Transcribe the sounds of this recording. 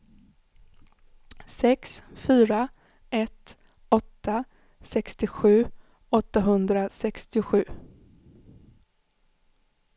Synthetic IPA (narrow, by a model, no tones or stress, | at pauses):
sɛksfyːɾa | ʔɛt̪ | ɔt̪ːa | sɛkst̪ɪɧʉ̟ː | ɔt̪ːaɦɵnd̪ɾasɛkst̪ɪɧʉ̟ː